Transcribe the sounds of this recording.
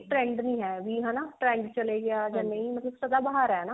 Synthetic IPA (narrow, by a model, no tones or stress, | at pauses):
ʈɾɛ̃ːɳɖnəĩːɦɛːʋiːɦɛːnaːʈɾɛ̃ːɳɖt͡ʃəleːɡɪaːd͡ʒãːnəĩːmət̪ləbsəd̪aːbaɦaːɾɛnaː